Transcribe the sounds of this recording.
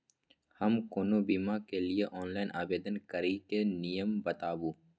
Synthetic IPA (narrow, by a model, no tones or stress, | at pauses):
hɐmkoːnobiːmakelieʔɔːnlaːɪnʔaːbeːd̪ənkɐɾikenijəmbɐt̪aːbuː